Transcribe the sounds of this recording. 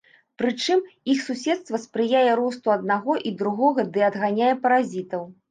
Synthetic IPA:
pɾɨt͡ʂɨmixsusʲɛt̪st̪vɐspɾɨjajɛɾɔst̪uɐd̪̚naɣɔʔid̪ɾuɣɔɣɐd̪ɨɐd̪ɣanʲajɛpɐɾazʲit̪ɐw

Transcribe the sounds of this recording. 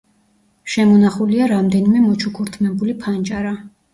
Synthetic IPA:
ʃɛmɔnaχuliaɾamd̪ɛnimɛmɔt͡ʃʰukʰuɾt̪ʰmɛbulipʰand͡ʒʼaɾa

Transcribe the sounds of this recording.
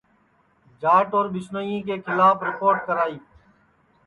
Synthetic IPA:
d͡ʒaːʈoːɾɓɪsnoːjĩːk̬eːkʰɪlaːfɾɪkoːɾʈ̚kəɾaːiː

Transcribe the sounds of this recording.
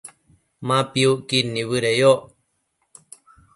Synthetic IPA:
mãpiuʔkinːiβɨɾejoʔ

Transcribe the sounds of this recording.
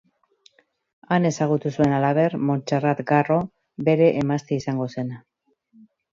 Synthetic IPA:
ane̞saɣ̞ut̪usue̞nalaβ̞e̞rmo̞nt͡ʃarat̪ɡaro̞ | be̞ɾe̞ʔemast̪eisaŋɡo̞se̞n

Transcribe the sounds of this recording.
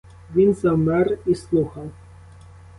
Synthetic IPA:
ʋʲinzɐmɛrislˠuxɐw

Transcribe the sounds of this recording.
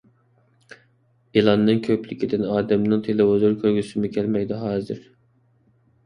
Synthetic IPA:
elˠɑnːɨŋkʲʰøplɪkʲʰid̪ɪnɑːd̪ɛmnɨŋt̪ʰelɪɦozuɾkʲʰøɾɡʲysɪmɪkʲʰælmɛɡʲd̪ɛɦɑːzɨɾ

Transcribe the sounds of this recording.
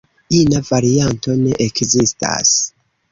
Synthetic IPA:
inavaɾianto̞ne̞ʔekzista̰s

